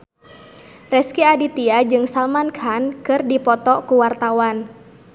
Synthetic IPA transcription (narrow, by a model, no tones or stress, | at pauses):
rɛskiadit̪iad͡ʒɨŋsalmankʰankɨrdipɔt̪ɔkuwart̪awan